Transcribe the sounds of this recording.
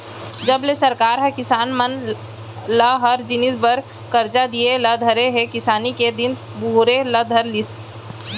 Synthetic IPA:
d͡ʒəblesəɾkaːɾɦəkɪsaːnmən | ləɦəɾd͡ʒɪnisbəɾ | kəɾd͡ʒad̪ieləd̪ʱəɾeɦekɪsaːniked̪ɪn | buɾeləd̪ʱəɾlɪs

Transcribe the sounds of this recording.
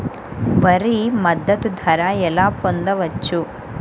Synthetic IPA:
ʋɐɾimɐd̪ːɐt̪ud̪ʱɐɾaɛlaːpond̪ɐʋɐt͡ʃːu

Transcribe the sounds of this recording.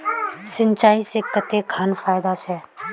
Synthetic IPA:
sɪ̃nt͡ʃaːisekət̪ekʰaːnfaːjd̪ase

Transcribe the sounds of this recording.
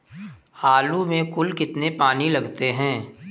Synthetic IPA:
haːlumẽkʊlkɪt̪nepaːnilɐɡt̪eɦɛ̃ː

